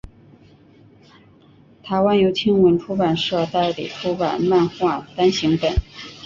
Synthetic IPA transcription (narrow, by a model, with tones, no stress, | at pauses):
t̪ʰa˧˥ɪwa˥njo˧˥ʊt͡ɕʰi˥ŋwə˧˥nʈ͡ʂʰu˥pa˨˩nʂɤ˥˧t̪a˥˩ɪlḭ˨˩ʈ͡ʂʰu˥pa̰˨˩nma˥˧nxwa˥˩t̪a˥nɕi˧˥ŋpə˨˩˦n